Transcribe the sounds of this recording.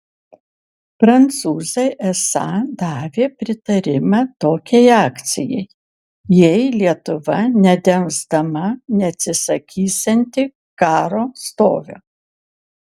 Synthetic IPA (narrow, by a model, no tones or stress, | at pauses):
pɾɐnt̪suːzʲɐɪʔɛsɑːd̪ɑːʋʲeːpʲɾʲɪt̪ɐɾʲɪmɑt̪oːkʲɛɪɑːkt̪sʲɪ̰jɛɪ | jɛɪlʲiɛt̪ʊʋɐnʲɛd̪ʲɛnzd̪ɐmɐnʲɛɐt̪ʲsʲɪsɐkʲʰiːsʲɛnʲt̪ʲɪ | kɑːɾoːst̪o̰ːʋʲo̰ː